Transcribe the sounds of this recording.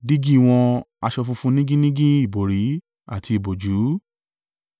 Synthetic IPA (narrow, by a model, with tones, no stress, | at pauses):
di˦ɡi˦˨w̃ɔ̃˧a˧ʃɔ˧fũ˧fũ˦nĩ˦ɡĩ˦nĩ˦ɡĩ˦i˦˨bo˨ɾi˨˦ | a̰˨ti˧i˨bo˨d͡ʒu˨˦